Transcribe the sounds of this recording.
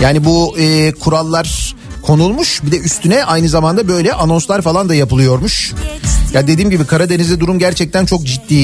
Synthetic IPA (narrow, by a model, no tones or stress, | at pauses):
jaːnibuɯːkʰuɾalˠːaɾ̥ | kʰo̞nulˠmuʃbid̪ɛʔyst̪ʰynɛʔajnɯzamand̪abø̞jlʲɛʔano̞nslˠaɾfalˠand̪ajapɯlˠɯjo̞ɾmuʃ | jad̪e̞d̪iːmɟibikʰaɾad̪e̞nizd̪ɛd̪uɾumɟæɾt͡ʃʰɛc̚t̪ʰænt͡ʃʰo̞kd͡ʒit̪ːiː